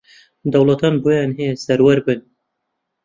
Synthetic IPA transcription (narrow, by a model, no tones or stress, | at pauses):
d̪ɐwlat̪ɑːnbojɑnɦesɐɾwɛɾbɨn